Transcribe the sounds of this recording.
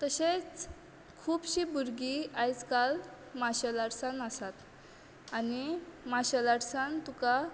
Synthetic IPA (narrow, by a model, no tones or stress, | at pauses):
t̪əɕet͡s | kʰuːbɕibuɾɡiajt͡skal | maɕəlaɽsanasat̪ | animaɕəlaɽsant̪uka